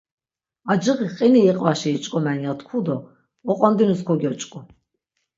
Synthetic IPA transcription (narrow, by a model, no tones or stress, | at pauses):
ad͡ʒɨʁiqʼiniiqʼvaʃiːt͡ʃʼkʼɔmanjat̪ʰkʰud̪ɔ | ɔqʼɔnd̪inuskʰɔɡɔt͡ʃʼkʼɔ